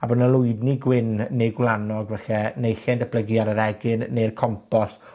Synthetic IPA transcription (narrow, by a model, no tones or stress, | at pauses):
abənəlˠʊɨdniɡwɪnːeɡwlˠanɔɡvɛɬɛnejɬɛndəb̥ʰləɡjaɾəɾɛɡɪnːejrkʰɔmpɔs